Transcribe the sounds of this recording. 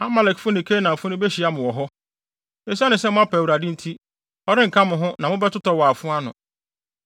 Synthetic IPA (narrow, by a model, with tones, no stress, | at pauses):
a˦ma˨lɛ˨kfʊ̃˦nɪ̃˨kʰe˦nã˨fʊ˦nʊ̃˦be˦ɕi˨a˦mʊ̃˨wɔ˨ɦɔ˦ | e˨s̬a˦nɪ̃˨sɛ˦mʊ̃˦a˦pʰɛ˨wu˨ɾa˨dɪ̃˦n̩˦tʰi˦ | ɔ˦ɾɪ̃˦ŋ̩˨kʰã˦mʊ̃˨ɦʊ̃˦nã˨mʊ̃˦bɛ˦tʊ˦tɔ˦waː˨fʊ̃˦a˦nʊ̰̃˨